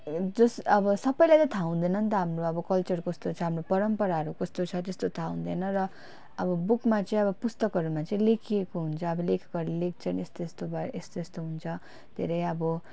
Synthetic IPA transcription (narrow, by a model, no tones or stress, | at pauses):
d͡zʌsʌbʌsʌbʌjlajt̪ʌt̪ʰaũd̪ʌnʌnt̪ʌɦamroʌbʌkʌlt͡sʌrkʌst̪ot͡sʰʌɦamropʌɾʌmpʌɾaɦʌɾukʌst̪ot͡sʰʌt̪est̪ot̪ʰaũd̪ʌnʌrʌ | ʌbʌbukmat͡sʌĩʌβʌpust̪ʌkʌɾumat͡sʌĩlekʰiekoɦunt͡sʰʌːbʌlekʰɡʌɾilek̚ʰt͡sʰʌnest̪oest̪obest̪oest̪oɦunt͡sʰʌ | d̪ʱḛɾʌjʌbʌ